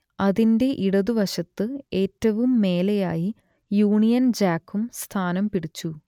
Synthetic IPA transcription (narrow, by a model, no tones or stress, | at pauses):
ɐðinde̞ʔiɽɐðuʋɐɕɐt̪ːɨe̞ːtːɐʋumːe̞ːlɐjaːji | juːɳijɐnd͡ʑaːkːumst̪ʰaːnɐmpiɽit͡ɕːu